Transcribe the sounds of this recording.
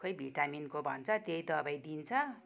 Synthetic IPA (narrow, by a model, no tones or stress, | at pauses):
kʌjbʱiʈaminkobʱʌ̰nt͡sʰʌt̪ejd̪ʌbajd̪int͡sʰʌ